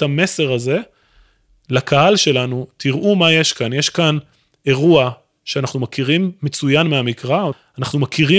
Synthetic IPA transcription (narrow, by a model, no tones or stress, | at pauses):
ame̞se̞ʁaze̞ | lakʰahalʃe̞lanut̪iʁʔumaje̞ʃkanjeʃkan | e̞ʁua | ʃeanaχnumakiʁimːe̞t͡sujanmeamikʁa | anaχnumakiʁi